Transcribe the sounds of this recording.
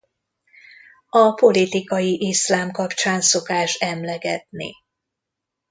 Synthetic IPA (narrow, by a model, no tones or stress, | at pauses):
ɒpo̞lit̪ikɒjiʔislaːmkɒpt͡ʃaːnso̞kaːʃɛmlɛɡɛt̪nḭ